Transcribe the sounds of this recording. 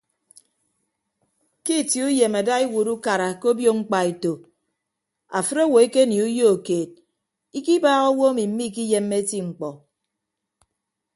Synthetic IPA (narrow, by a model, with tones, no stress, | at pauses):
ki˦˨ti˨u˦je˨ma˨da˦i˦wu˨ɾu˦ka˨ɾa˨ko˦bjo˦ŋ͡m̩˦k͡pa˨i˨to˨ | a˨fɨ˦ɾo˦wo˨e˦ke˦ni˨u˦jo˦o˨keː˨t̚ | i˦ki˦baː˦ɣo˦wo˦a˦mi˨m̩˦mi˦˨k̬i˦je˦mːe˦ti˦ŋ͡m̩˨k͡pɔ˨